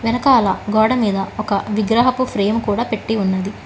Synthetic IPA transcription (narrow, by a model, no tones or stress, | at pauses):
ʋɛnɐkɐːlaːɡɔːɽɐmiːd̪ɐɔkɐʋiɡɾɐɦɐpupʰɾeːmkuːɽaːpeʈːiunːɐd̪i